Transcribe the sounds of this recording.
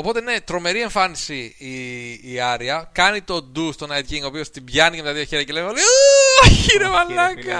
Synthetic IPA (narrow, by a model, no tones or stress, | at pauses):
o̞po̞t̪eine̞t̪ɾo̞me̞ɾieɱfɐnisiː | ɐɾiɐkɐnit̪o̞d̪ust̪onɐjt̪̚ciŋɡo̞ːpio̞st̪ibʝɐnicemt̪ɐðio̞çeɾɐcelemolejoçiɾevɐlɐkɐ